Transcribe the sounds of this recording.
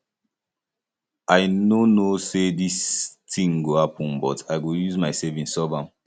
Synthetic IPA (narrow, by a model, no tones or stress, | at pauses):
aɪnonosedistʰĩŋɡohapɔ̃nbɔtʰaɪɡojuzmaɪsɛvĩnsɔbãm